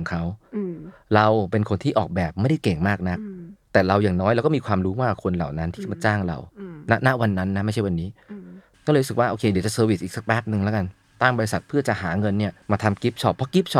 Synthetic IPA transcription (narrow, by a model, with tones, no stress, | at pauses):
ŋkʰa˦˥w | ɾa˧wpe˧nkʰo˧nt̪ʰiː˥˩ʔɔː˨˩k̚bɛː˨˩p̚ma˥˩jda˥˩jke˨˩ŋmaː˥˩k̚na˦˥k̚t̪ɛː˨˩ɾa˧wjaː˨˩ŋnɔː˦˥jɾɛː˧˦˧wkɔ˥˩mːiː˧kʰwaː˧mɾuː˦˥waː˥˩a˨˩kʰo˧nla̰ː˨˩wna˦˥nt̪ʰiː˥˩˥ma˨˩t͡ɕaː˥˩ŋɾa̰˧wna˦˥na˦˥wa˧nːa˦˥nːa˦˥ma˥˩jt͡ɕʰa˥˩jwa˧nːiː˦˥ | kɔ˥˩lɾu˦˥sɯ˨˩k̚waː˥˩ʔoː˧kʰeː˧dt͡ɕa˨˩sɤː˧wi˨˩sʔiː˨˩ksa˨˩k̚pɛː˦˥p̚nɯ˧ŋlɛ˦˥ka˧n | t̪a˥˩ŋbɔː˧ɾi˧sa˨˩t̪̚pʰɯ˥˩ɐt͡ɕa˨˩ɦaː˩˦ŋɤ˧nːi˥˩ɐmaː˧t̪ʰa˧mki˦˥p̚t͡ɕʰɔ˦˥˩pʰːɔ˦˥ki˦˥p̚t͡ɕʰɔ˦˥